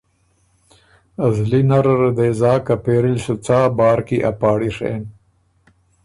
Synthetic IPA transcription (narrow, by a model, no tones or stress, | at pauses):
azlinaɾaɾad̪eːzɑːkapeːɾilsut͡saːbɑːɾkiʔa̰pɑːɽiʂḛːn